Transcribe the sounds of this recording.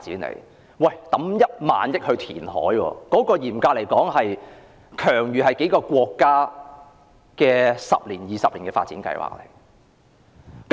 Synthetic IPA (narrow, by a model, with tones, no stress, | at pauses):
tt͡siː˨˥nlḛ˨˩j | wɐ˨jt̪ɐ˨˥mjɐ˥t̚ma̰ː˨njɪ˥k̚hɵ˧t̪ʰiː˨˩nhɔ̰ː˨˥jwɔ̰ː˧kɔː˨˥kɔː˧jiː˨˩mkaː˧le˨˩jkɔː˨˥ŋɦɐ˨j | kʰœː˨˩ŋjyː˨ɦɐ˨jke˨˥jkɔː˧kʷɔː˧kːaː˥ | kɛː˧sɐ̰˨p̚liː˨˩njiː˨sɐ˨p̚li˨˩ŋkɛː˧faː˧t̚t͡siː˨˥nkɐ̰˧jwa̰ː˨˩k̚le˨˩j | k